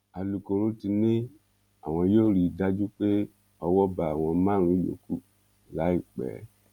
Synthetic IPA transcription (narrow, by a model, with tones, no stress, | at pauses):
a˨lu˨ko˨ɾo˦ti˧nĩ˦ | a̰˨w̃ɔ̃˨jo˦˨ɾi˨da˦d͡ʒu˦k͡pe˦ | ɔ˨wɔ˦ba˨w̃ɔ̃˨˦mã˦˨ɾũ˨i˦jo̰˨ku˦ | la˨˦i˨k͡pɛ̰˨˦